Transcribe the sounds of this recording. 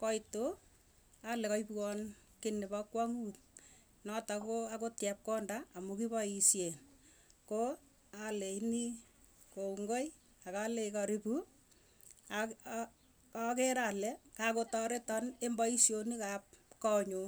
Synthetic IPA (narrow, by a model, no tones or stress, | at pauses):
kɔito | alɛkɔipwɔnkɪnɪbɔkwaŋuːt̚ | nɔtakoakotjɛp̚kɔndaːmukibɔisjen | ko | aleini | kouŋɡoj | akalekɔɾipu | a | akeɾalɛkakotɔɾetɔnembɔisjonikap̚kɔɲu